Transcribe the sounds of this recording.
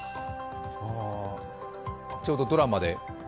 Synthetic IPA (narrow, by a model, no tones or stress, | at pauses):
a | t͡ɕo̞ːd̪o̞d̪o̞ɾamad̪e̞